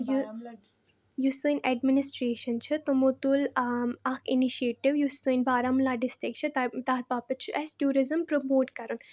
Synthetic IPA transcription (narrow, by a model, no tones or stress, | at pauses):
ju | just̪ɨnɛɖminisʈɾeːʃɐnt͡ʃʰɨt̪omot̪ulɐkʰiniʃieːʈiʋjust̪ɨnbaːɾamlaːɖɪsʈɾɪk̚t͡ʃʰɨt̪t̪aːt̪̚baːpɨt͡ʃʰɨʔɐsʈjuːɾizəmpɾomoːʈkɐɾun